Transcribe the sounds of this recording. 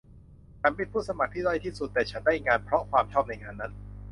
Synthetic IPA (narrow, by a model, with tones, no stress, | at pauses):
t͡ɕʰa˦˥npe˧˥npʰuː˥˩sa˧ma˨˩k̚t̪ʰiː˥˩dɔ˥˩jt̪ʰiː˥˩su˨˩t̪ːɛː˨˩t͡ɕʰa˦˥ndaː˥˩jŋaː˧npʰɾɔ˦˥kʰwaː˧mt͡ɕʰɔː˥˩p̚na˧jŋaː˧nːa˦˥n